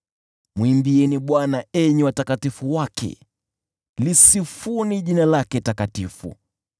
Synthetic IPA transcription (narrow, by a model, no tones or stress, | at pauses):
mwimbiɛniɓwanaɛɲɛwatakatifuwakʰɛ̰ | lisifuniʄinalakɛtakatifṵ